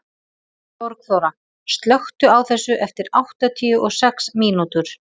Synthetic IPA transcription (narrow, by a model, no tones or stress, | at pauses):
pɔɾkθowɾa | st̪lœxt̪ʏawθɛsːʏʔɛft̪ɪɾawht̪at̪ʰiːʏʔɔɣsɛksmiːnut̪ʏɾ̥